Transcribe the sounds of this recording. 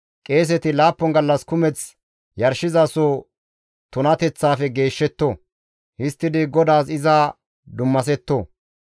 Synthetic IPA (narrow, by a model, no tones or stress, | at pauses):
kʼe̞ːs̬ɛt̪ɪlaːpːɔŋɡɐlːɐskʊmɛt͡s | jɐɾʃɪzaso | t̪ʊnɐt̪ɛt͡sːaːfɛɡe̞ːʃːɛt̪ːo | hɪst̪ːɪd̪ɪɡɔd̪aːsɪzɐ | d̪ʊmːɐs̬ɛt̪ːoː